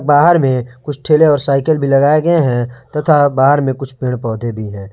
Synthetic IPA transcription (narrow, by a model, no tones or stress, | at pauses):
k̚baːɦəɾmẽkʊt͡ʃʰʈʰeːleɔːɾsaːɪkəlbʱilɐɡaːeɡɐeɦɛ̃t̪ɐt̪ʰabaːɦəɾmẽkʊt͡ʃʰpɪɽ̃pɔːd̪ʱebʱiɦɛ̃ː